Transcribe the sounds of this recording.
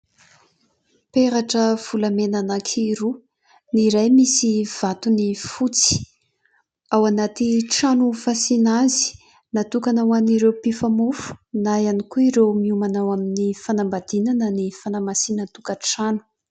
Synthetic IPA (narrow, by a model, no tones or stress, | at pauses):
peɾaʈ͡ʂəv̥ulamenanakʰiɾu | niɾajmisiv̥at̪unifut͡si̥ | awanat̪iʈ͡ʂanufasinazi̥ | nat̪ukanawaniɾewpifamufu̥najanikuiɾewmiumanawaminifanambad̪̥inanənifanamasinət̪ukəʈ͡ʂanu̥